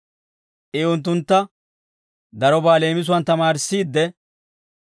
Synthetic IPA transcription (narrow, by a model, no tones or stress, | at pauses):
ʔɪʊnt̪̬ːʊnt̪ːɐ | d̪ɐɾɔbaːle̞ːmɪs̬ʊwɐnt̪ɐmaːɾsːiːd̪ːɛ